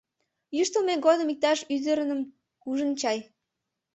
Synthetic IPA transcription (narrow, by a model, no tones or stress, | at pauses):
jyʃt̪əlmeɡod̪əmik̚t̪ɑʃyzəɾənəm | kuʒənt͡ɕɑj